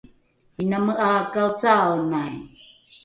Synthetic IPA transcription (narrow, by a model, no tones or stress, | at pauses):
inaməʔaːkawt͡saənaj